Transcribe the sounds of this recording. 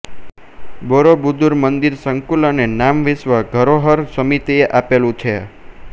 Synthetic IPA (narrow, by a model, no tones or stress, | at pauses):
boɾobud̪ʱuɾmənd̪iɾsəŋkulanenamʋɪsʋaɡʱəɾoɦəɾsəmit̪ieʔapelũt͡ʃʰe